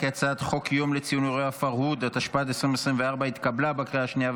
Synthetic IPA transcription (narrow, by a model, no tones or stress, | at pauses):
ket͡sat̪χo̞kjo̞mlet͡sijunuʁejafaʁhud̪at̪aʃpaat̪esʁimesʁimveaʁbait̪kablabakʁiaʃnia